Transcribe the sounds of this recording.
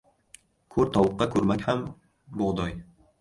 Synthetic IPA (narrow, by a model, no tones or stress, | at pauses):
kʰɵɾt̪ʰɒwʊqːɑkʰɵɾmakʲham | boʁd̪ɒj